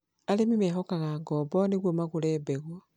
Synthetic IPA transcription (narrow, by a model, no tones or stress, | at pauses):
alemimeːxokaɣaːŋɡɔbɔneɣwomaɣulebeɣwo